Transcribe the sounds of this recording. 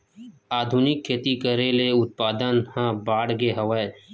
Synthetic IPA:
aːd̪ʱunɪkʰːeːt̪ikəɾeleʊt̪̚paːd̪ənhãbaːɽɡeɦəʋəe

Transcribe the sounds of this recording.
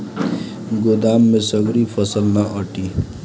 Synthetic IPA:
ɡʊd̪aːmːẽsɐɡɾifʰɐsəlnaʔəʈiː

